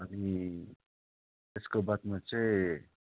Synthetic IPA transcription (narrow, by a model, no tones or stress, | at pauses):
əni | eskobat̪mãt͡sʰe